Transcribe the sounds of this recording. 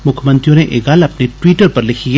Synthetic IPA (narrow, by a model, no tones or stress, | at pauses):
mʊkʰjmɐ̃nt̪ɾijõneʔḛːɡaːlɐpneʈwiːʈəɾpɐɾlɪkʰie